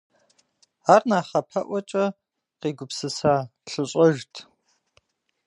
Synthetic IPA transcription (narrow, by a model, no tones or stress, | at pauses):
aːrnaːχɐpʰɐʔʷɔt͡ʃʼɐ | qiːɡʷʊpsɨsaːɬɨɕʼɐʒtʰ